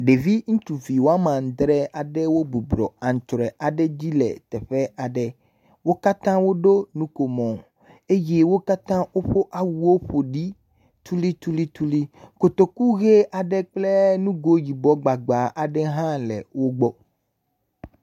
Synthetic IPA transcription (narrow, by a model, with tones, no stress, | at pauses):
ɖe˨vi˦ŋũ˦t̪u˨vi˨wo˦a˦mã˨ŋ̩˨d̪ɾɛ˦a˨ɖɛ˦wo˦bu˨bɾɔ̰˨a˨ŋ̩˨t͡ʃɾɛ˨ʔa˨ɖɛ˦d͡ʑi˦lɛ̰˨t̪ɛ˨ɸɛ˦ʔa˨ɖɛ˨ | wo˦ka˦t̪ã˦wo˦ɖo˦nũ˦ko˨mɔ̃˨ | e˦je˦wo˦ka˦t̪ã˦wo˦ɸo˦ʔa˨wu˦wo˦ɸo˨ɖi˦ | t̪u˦li˦t̪u˦li˦t̪u˦li˦ko˨t̪o˨ku˦ɣe˦ʔa˨ɖɛ˦k͡ple˦nũ˦ɡo˦ji˨bɔ˦ɡ͡ba˨ɡ͡ba˨ʔa˨ɖɛ˦ɦã˦lɛ̰˨wo˦ɡ͡bɔ˦